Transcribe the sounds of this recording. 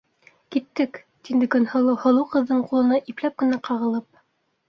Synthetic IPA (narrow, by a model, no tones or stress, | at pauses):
kit̪ːɘk | t̪ind̪ɘ̆kɵ̆nhɤ̆lˠɤhŏlˠɤqɤ̆ðːɤɴqulˠɤ̆nɑʔiplæp̚kɘ̆næqɑʁɤ̆lˠɤp̚